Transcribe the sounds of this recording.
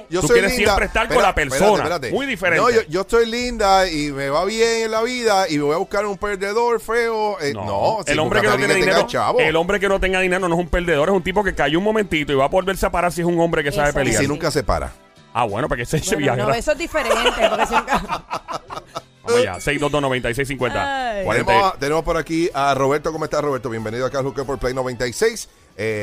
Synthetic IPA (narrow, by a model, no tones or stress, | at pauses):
d͡ʒot̪usojeɾessjempɾest̪aɾkolapeɾseo̞nnaeɾat̪emujðifeɾẽnnood͡ʒoesojlind̪aimeβaβjeŋenlaβiðaimeβojaβuhkaɾumpeɾd̪eðoɾfeoeno̰no̰elombɾekenoeneðineɾt͡ʃa̰βoelo̞mbɾek̬enot̪eŋɡaðineɾonoesumpe̞ld̪eðo̞ɾesunt̪ipo̞kekajuŋmõmẽnt̪it̪oiβapo̞ðelβeɾseapaɾaɾs̬iesuŋõ̞mbɾekesaβepeliainũŋkasepa̰ɾa̰ | a̰βwḛnopekeseseβjaheesoed̪ifeɾet̪posek | o̰ja̰sejzdodosno̞βent̪aijs̬ejs̬iŋkwent̪a̰wa̰ɾemet̪enemospoɾakiaro̞βeɾt̪okomoest̪aroβeɾt̪oβjembeniðoakalokepoɾplejnoβẽnt̪aisejs | e